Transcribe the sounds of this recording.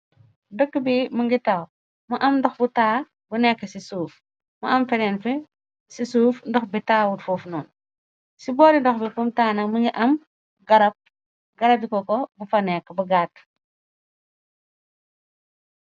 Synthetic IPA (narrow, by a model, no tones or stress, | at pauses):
dəkːəbimuŋɡitɐw | mɐʔɐmndɔxbutaː | bunɛkːəsisuːf | mɐ̰ʔɐmfɛdɛnfɛ | sisuːfndɔxbitaːwutfuːfnɔːn | sibɔːɾindɔxbifumtaːnɐkməŋɡiʔɐm | ɡɐɾɐp̚ | ɡɐɾɐp̚bikɔkɔbufɐnɛkːbuɡaːt